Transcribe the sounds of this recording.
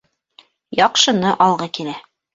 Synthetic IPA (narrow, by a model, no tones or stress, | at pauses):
jɑqʃɤ̆nɤʔɑlˠʁɤkilæ